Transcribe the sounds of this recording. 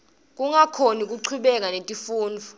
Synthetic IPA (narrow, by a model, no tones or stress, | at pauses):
k̬ʼuŋakʰonik̬ʼuǀʰuɓɛk̬ʼanetʼifuːnd͡vʱu